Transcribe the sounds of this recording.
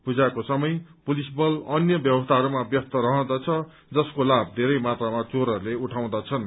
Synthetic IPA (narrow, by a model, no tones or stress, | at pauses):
pud͡zakosʌmʌjpulisbʌlʌnjʌbjʌbʌst̪ʰaɦʌɾumabjʌst̪ʌɾʌɦʌd̪at͡sʰʌ | d͡zʌskolab̚d̪ʱeɾʌjmat̪ramat͡soɾʌɾuleuʈʰaw̃d̪at͡sʰʌn